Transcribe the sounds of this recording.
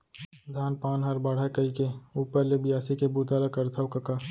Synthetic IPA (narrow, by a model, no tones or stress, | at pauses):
d̪ʱaːnpaːnɦəɾbaːɽ̤akəikeuːpəɾlebɪjaːsikebuːt̪aːlakɐɾt̪ʰawkəka